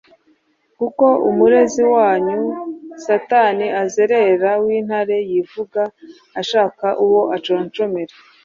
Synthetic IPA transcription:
kuko̞umuɾe̞ziwaːɲusataniʔazeɾe̞ɾawiːn̥haɾe̞jivuɡaː | ʃaːkaʔuwo̞ʔat͡ʃoɾnt͡ʃo̞meɾe

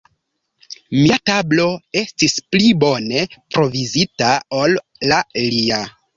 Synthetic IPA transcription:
miatablo̞e̞stisplibo̞ne̞pɾo̞vizitaolː | alia

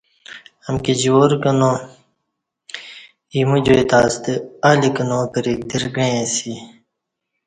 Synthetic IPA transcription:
ɐmkid͡ʑoːɾkɐnoː | iːmud͡ʑoet̪aːst̪ealikɐnõːkɐɾik̚d̪iɾɡɐẽsi

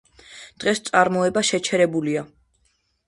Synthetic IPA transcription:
d̪̥ʁɛst̪sʼaɾmɔɛbaʃɛt͡ʃʰɛɾɛbulia

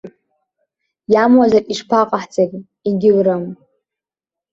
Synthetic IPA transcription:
jamwazariʂpʰaqʼaħt͡sakʲʼ | iɡʲɪlɾam

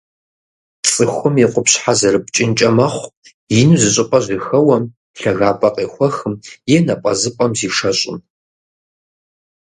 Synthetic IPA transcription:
t͡sʼɨxʷʊmjɛqʷʼʊpɕħazɐrɨp̚ʰt͡ʃʼɪnt͡ʃʼɐmɐχʷ | jɪnuzɨɕʼɪpʼɐʒixɐwɐm | ɬɐɣaːpʼɐqʼeːxʷɐxɨmjɛnɐpʼɐ̰zɨpʼɐmziːʂɐɕʼɪ̰m

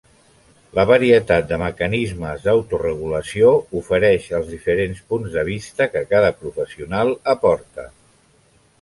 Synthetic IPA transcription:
ləβəɾiət̪at̪̚d̪əməkənizməzðəwt̪urəɣ̞uləsioufəɾɛʃəlˠzðifəɾenspunzðəβist̪əkəkaðəpɾufəsiunalˠəpɔɾt̪ə

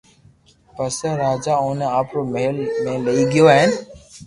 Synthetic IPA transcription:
pəsəɾaːd͡ʒaːʊːneaːpɾoːməɦəlmẽːləiːɡɪjoːaːɦɪn

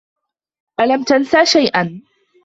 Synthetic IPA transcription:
ʔalamt̪ansaːʃajʔan

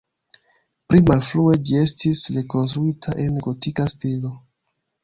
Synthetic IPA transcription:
pɾimalflue̞d͡ʒie̞stisɾe̞ko̞ns̬tɾuitʰaʔe̞nɡo̞tikastilo̞

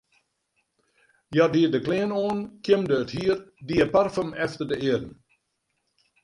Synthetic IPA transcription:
jɔdiːədəklɪːənoːnkʰjɪmdəːthiərdiːəparfəmɛftərdəɪədən̩

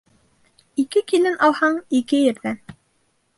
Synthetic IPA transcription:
ikɘkilɘnʔɑlˠhɑɴikɘjɘ̆ɾðæn

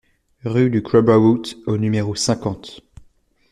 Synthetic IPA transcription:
ʁyd̪ykɹɔbawut̪onymeʁosɛ̃kɑ̃t̪

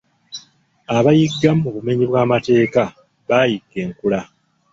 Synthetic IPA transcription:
aβajiɡːammuβume̞ɲiβwaːmate̞ːka | βaːjiɡːe̞ːŋkula

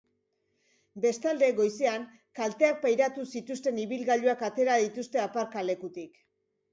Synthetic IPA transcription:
be̞st̪ald̪e̞ɣo̞jse̞aŋ | kalt̪e̞ak̚pajɾat̪usit̪ust̪e̞niβilɣaʎuakat̪e̞ɾaðit̪ust̪e̞apaɾkale̞kut̪ik

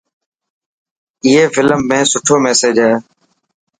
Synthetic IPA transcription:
ɪɦeːfɪləmːẽːsʊʈʰoːmɛːsed͡ʒɦɛː

